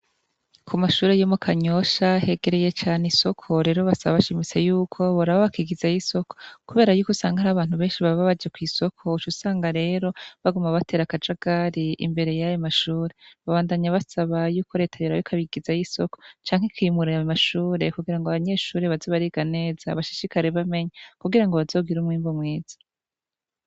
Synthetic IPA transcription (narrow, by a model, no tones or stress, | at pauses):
kʰumaʃuːɾejomukʰaɲo̞ʃahe̞ɡe̞ɾeje̞t͡ʃaːneiso̞kʰo̞ɾe̞ːɾo̞βasaβaβaʃimit͡se̞juːkʰo̞βuɾaβoβakiɡizajiso̞ko̥kuβeːɾajuːkusaːŋɡaaɾaβaːn̥huβe̞ːnʃiβaββaβad͡ʒekwiːso̞kʰo̞ut͡ʃusaːŋɡaɾe̞ːɾo̞βaɡumaβatʰe̞ːɾakad͡ʒaɡ̥aɾiḭmbe̞ɾe̞jajomaʃuːɾeβaβaːndaɲaβasaβajuːko̞ɾe̞ːtʰajoɾaβikʰaβiɡizajiso̞ko̥t͡ʃaːŋ̥hekʰiːmuɾaamaʃuːɾe̞kuɡiɾaŋɡoaβaɲe̞ːʃuːɾeβazoβaɾiɡane̞ːz̥aβaʃi̥ʃikaɾe̞βame̞ɲakuɡiɾaŋɡo̞βazo̞ːɡiɾumŋiːmbomŋeːz̥ḁ